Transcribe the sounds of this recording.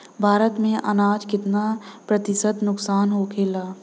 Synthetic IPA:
bʱaːɾət̪mẽʔɐ̰naːd͡ʒkɪt̪napɾɐt̪ɪsət̪nʊksaːnɦokʰeːlaː

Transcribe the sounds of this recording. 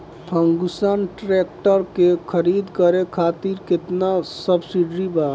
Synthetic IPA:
pʰə̃ŋɡusanʈɾeːk̚ʈəɾkekʰəɾiːd̪kəɾekʰaːt̪iɾkɪt̪nasəbsiɖɾibaː

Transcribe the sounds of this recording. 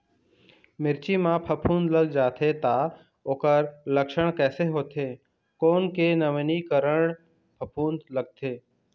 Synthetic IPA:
mɪɾt͡ʃimãːpʰəpʰũːnd̪ləɡd͡ʒaːt̪ʰeːt̪aː | oːkəɾləkʃəɳ̃kɛːseɦoːt̪ʰeː | koːnkenəʋnikəɾəɽ̃ | pʰəpʰuːnd̪ləɡ̚t̪ʰeː

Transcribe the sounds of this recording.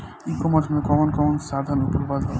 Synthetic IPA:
ikɔmaɾd͡ʒmekɔmonkɔmonʃad̪ʱaɾnupoɾbad̪ɔ

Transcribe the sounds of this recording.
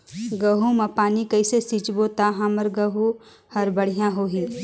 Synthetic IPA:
ɡɐɦumapaːnikɐisesit͡ʃboːt̪aɦãməɾɡəɦu | hɐɾbəɽ̤ijãɦoːɦi

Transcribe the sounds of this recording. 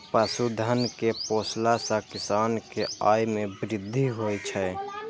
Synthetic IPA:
pəsud̪ʱənkepoːslasãkɪsaːnkeaːjmebɾɪd̪ʱːiɦojt͡ʃʰɛ

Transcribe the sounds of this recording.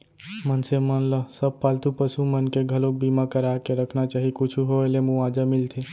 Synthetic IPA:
mənsemənləsəb̚palt̪upəsumənkeɡʱəlok̚bimakəɾakeɾəkʰnat͡ʃaːɦikʊt͡ʃʰuɦoelemuad͡ʒəmɪlt̪ʰe

